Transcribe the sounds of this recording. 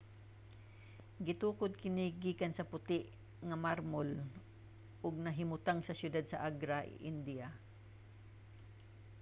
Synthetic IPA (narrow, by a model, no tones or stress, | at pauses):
ɡɪt̪uːkʊd̪̚kɪnɪɡiːkansɐpʊt̪ɪʔ | ŋɐmaɾmol | ʔʊɡ̚nɐɦɪmʊt̪aŋsɐsjʊd̪ad̪̚sɐʔaɡɾaʔʔɪ̰nd̪ia